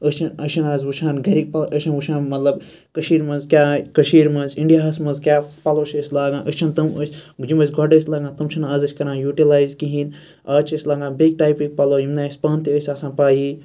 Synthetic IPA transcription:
ət͡ʃʰɐnəʃʰɐnaːzwut͡ʃʰaːnɡɐɾik̚pɐʔəʃʰɐnwuʃʰãːnmɐt̪lɐb | kəʃiːɾmɐnzkʲaːkɐʃiːɾmɐnziɳɖijaɐsmɐnzkʲaːpɐloːʃɐsʲlaːɡãːnʔət͡ʃʰɐnt̪ɨmə̰sʲd͡ʒimɐs̬ʲɡʱɔɖəsʲlaːɡãːt̪ɨmt͡ʃʰɐnazɐsʲkɐɾãːnjuːʈilaːjzkiɦĩːd̪ | aːt͡ʃʰɐsʲlaːɡãːbiɡ̚ʈaːjpik̚pɐloːjimnaːsʲpɐːnt̪iəsʲaːsãːpaːɦi

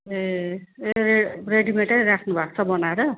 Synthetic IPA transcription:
eeereɖimeʈʌɾakʰnubʱakt͡sʰʌbʌnaeɾʌ

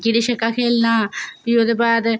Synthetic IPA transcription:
kid̪iʃəkːaːkʰeːlnaːbiod̪eːbaːd̪

